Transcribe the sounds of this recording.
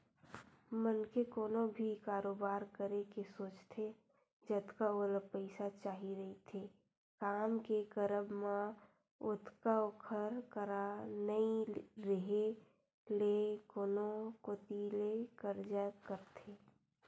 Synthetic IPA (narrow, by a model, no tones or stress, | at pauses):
mənkekoːnobʱikaːɾoːbaːɾkəɾekesoːt͡ʃt̪ʰe | d͡ʒət̪kaoləpəɪsat͡ʃaːɦiɾəɦit̪ʰe | kaːmkekəɾəbmã | ʊt̪kaokʰəɾkəɾanəĩɾəɦe | lekoːnokoːt̪ilekəɾd͡ʒakəɾt̪ʰeː